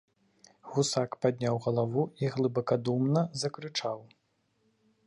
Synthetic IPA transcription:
ɣusakpad̪ʲnʲawɣɐlˠavuiɣlˠɨbɐkad̪umnɐzɐkɾɨt͡ʂaw

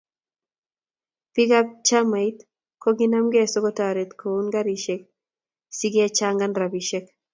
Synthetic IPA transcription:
piɡap̚t͡ʃamait̪ | koɡinamɡesoɡot̪aɾet̪kʰounɡaɾiʃek̚ | siɡet͡ʃaŋɡanrabiʃɛk

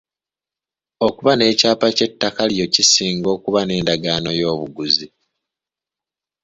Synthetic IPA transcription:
o̞kuβane̞ːcaːpace̞tːakalijo̞cisiːŋɡo̞ːkuβane̞ːndaɡaːno̞jo̞ːβuɡuzi

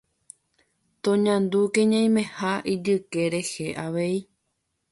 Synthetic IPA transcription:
t̪õɲãnd̪ukẽɲãj̃mẽhaʔid͡ʒɨke̞ɾe̞he̞ʔaʋe̞i

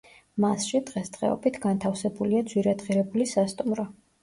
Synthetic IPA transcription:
masʃid̪̥ʁɛst̪ʼʁʼɛ̰ɔ̰bit̪ʰɡant̪ʰafsɛbuliad̪zwiɾɛd̪ʁiɾɛbulisast̪ʼumɾɔ

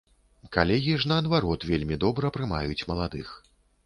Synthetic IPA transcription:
kalʲɛɣʲiʐnɐɐd̪vaɾɔt̪vʲelʲmʲid̪ɔbɾɐpɾɨma̰jut͡sʲmɐlˠad̪ɨx

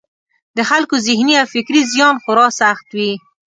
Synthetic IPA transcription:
d̪əxalkozɪhniawfɪkɾizjɑnxʊɾɑsaxt̪wi

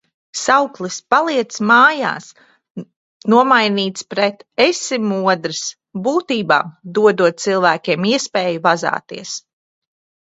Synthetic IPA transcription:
sawklˠispalˠiɛt̪smaːja̰ːs | nuɔmajniːt̪spɾet̪esimuɔd̪ɾɨs | buːt̪iːba̰ːmd̪uɔd̪uɔt̪̚silˠvæːkʲiɛmiɛspɛːjuvaza̰ːt̪ḭɛs

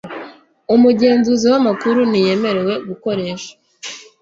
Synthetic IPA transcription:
umuɟe̞ːnzuziwamakuɾunije̞me̞ɾe̞we̞ɡuko̞ɾe̞ːʃḁ

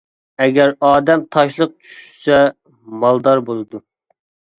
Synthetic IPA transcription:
ɛɡʲɛɾɑːd̪ɛmt̪ʰɑʃlˠəq̚t͡ʃʰy̥ʃsɛ | mɑlˠd̪ɑɾbolˠɨd̪u

